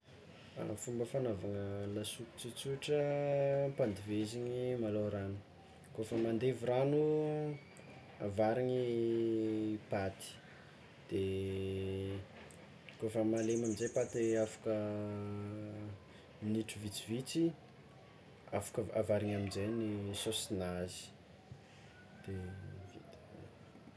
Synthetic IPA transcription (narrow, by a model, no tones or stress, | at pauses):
a̰fumbəfanavaŋəlasuki̥t͡sut͡suʈ͡ʂə | pand̪iveziɲimaloɾanu̥ | kofəmand̪eviranu | a̰vaɾiɲi | pat̪i̥ | d̪̥e | kofəmalemamizejpat̪eafḁkə | iniʈ͡ʂuvit͡sivit͡si | afḁkəa̰vaɾiŋaminzejnisosinazi̥ | d̪̥evit̪